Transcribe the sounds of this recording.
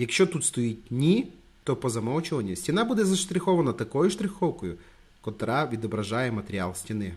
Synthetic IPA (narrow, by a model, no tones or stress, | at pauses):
jɐkʃt͡ʃɔt̪ut̪st̪ɔjitʲnʲi | t̪ɔpɔzɐmɔwt͡ʃɔʋɐnʲːɐsʲtʲinɑbud̪ɛzɐʃt̪ɾʲɪxɔʋɐnɐt̪ɐkɔjʊʃt̪ɾʲɪxɔwkɔjʊ | kɔt̪ɾɑʋʲid̪ɔbɾɐʒɑjɛmɐt̪eɾʲia̰lˠsʲtʲinɪ